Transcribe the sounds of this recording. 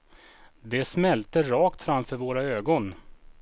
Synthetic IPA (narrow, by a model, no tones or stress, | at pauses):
d̪ɛsmɛlt̪əɾɑːkt̪fɾamfœɾvoːɾaøːɡɔn